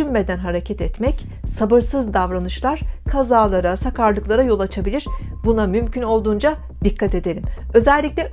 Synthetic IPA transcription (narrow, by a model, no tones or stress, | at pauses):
ynme̞d̪ænɦaɾecʰɛt̪ɛt̪mɛc | sabɯɾsɯzd̪avɾanɯʃlˠaɾ̥kʰazaːlˠaɾasakaɾlˠɯklˠaɾajo̞lˠat͡ʃʰabilʲiɾ̥bunamymcʰyno̞lˠd̪uːnd͡ʒa | d̪̥ikʰːat̪e̞d̪e̞ɾʲimø̞zɛlʲːiclʲɛ